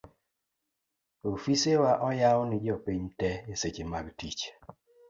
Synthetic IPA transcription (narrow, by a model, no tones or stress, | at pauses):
ofisewaʔɔjawnɪd͡ʒɔpiɲtɛeset͡ʃemaɡtit͡ʃ